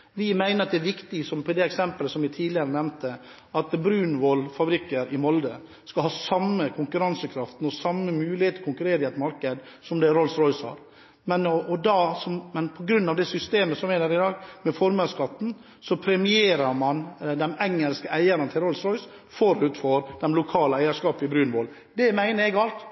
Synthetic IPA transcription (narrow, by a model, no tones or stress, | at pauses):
ʋɪmæɪnəɾɑt̪d̪ɛæɾʋɪkt̪ɪsɔmpʰɔd̪ɛɛksɛmpələsɔmʋɪt̪ʰiːd̪lɪəɾənɛmnt̪ə | ʔɑt̪bɾʉːnʋɔlfɑbɾɪkːəɾɪmɔld̪ə | skɑlhɑːsɑmːəkʰʊŋkʉɾɑnsəkʰɾɑft̪n̩ɔsɑmːəmʉːlɪheːt̪ɔkʰʊŋkʉɾeːɾəɪɛt̪mɑɾkəd̪ | sɔmd̪ɛɾɔlsɾɔʏshɑ̰ːɾ | mɛnɔɔd̪ɑsɔmmɛnpʰɔɡɾʉnːɑʋd̪ɛsʏst̪eːməsɔmæɪd̪əɾɪd̪ɑːɡmɛfɔɾməskɑt̪ːn̩ | sɔpʰɾɛmɪeːɾɑɾmɑnd̪ɛnɛŋːəlskəʔæɪəɾənt̪ʰɪlɾɔlsɾɔʏs | fɔɾʉt̪fɔɾd̪ɛmlʊkʰɑːləæɪəʂkɑːpəɪbɾʉːnʋoːl | d̪ɛmæɪnəɾɛɡɑlt̪